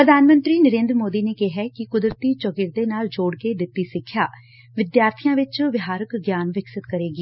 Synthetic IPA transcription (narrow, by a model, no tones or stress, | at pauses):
pɾəd̪ʱaːnmə̃nt̪ɾiːnəɾẽːnd̪ɾəmoːd̪iːneːkeɦɛːkɪkʊd̪ɾət̪iːt͡ʃɔɡɪɾd̪eːnaːld͡ʒoːɽkeːd̪ɪt̪ːiːsɪkʰːjaː | ʋɪd̪jaːɾt̪ʰijãːʋɪt͡ʃʋɪɦaːɾəkɡjaːnʋɪksɪt̪kəɾeːɡiː